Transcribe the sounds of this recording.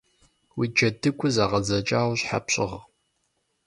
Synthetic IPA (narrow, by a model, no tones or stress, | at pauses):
wid͡ʒɐdɨkʷʰʼʊzaːʁɐzɐt͡ʃʼaːwɕħa̰pɕʼɪʁ